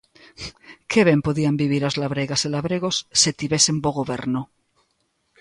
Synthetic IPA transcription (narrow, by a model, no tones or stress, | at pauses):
kʰeβempoðiambiβ̞iɾazlaβɾeɣaselaβɾeɣ̞osːet̪iβesemboɣoβe̞̰ɾno